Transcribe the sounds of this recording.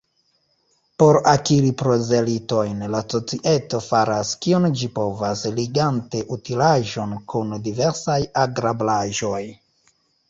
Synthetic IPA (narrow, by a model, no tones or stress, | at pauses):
po̞ɾakiɾipɾo̞ze̞lito̞jnlaso̞t͡siʔe̞to̞faɾaskiond͡ʒipo̞vasliɡante̞ʔutilaʒo̞nkundive̞ɾsajaɡɾablaʒo̞j